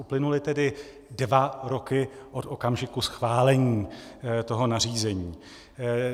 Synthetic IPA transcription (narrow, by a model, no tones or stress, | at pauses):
uplɪnulɪt̪ɛdɪ | dvaɾo̞kɪʔo̞t̪o̞kamʒɪkusxvaːlɛɲiːt̪o̞ɦo̞nar̝iːzɛɲiː